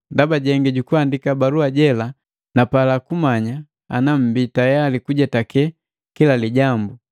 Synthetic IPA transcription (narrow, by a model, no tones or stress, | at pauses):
ndabaɟɛŋɡɛɟukuandikabaɾuaɟɛla | napalakumaɲa | a̰nam̩bitajalikuɟɛtakɛ | kilaliɟambu